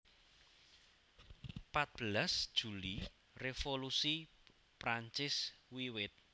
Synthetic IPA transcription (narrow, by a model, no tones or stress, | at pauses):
pat̪̚b̥əlasd̥ʒ̥ṳli | refolusi | pɾaɲt͡ʃɪswiwɪt̪̚